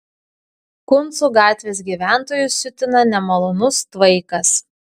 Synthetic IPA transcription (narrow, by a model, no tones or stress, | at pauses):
kʊnˑt̪suːɡɑːt̪ʲʋʲeːs̬ɡʲiːʋʲæˑnˑt̪oːjʊsʲʊt̪ʲɪnɐnʲɛmɐlˠɔnʊst̪ʋɐɪkɐs